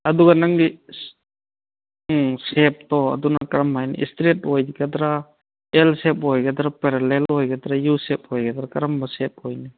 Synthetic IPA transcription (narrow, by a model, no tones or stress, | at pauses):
ad̪uɡanaŋɡi | sɛp̚t̪ɔa̰d̪unakɾamːajnḭʔḭstɾet̚hɔjɡad̪ɾa | ɛlsɛp̚ɦɔjɡad̪ɾapɛɾalɛlhɔjɡad̪ɾajusɛp̚hɔjɡad̪ɾakaɾambasɛp̚hojni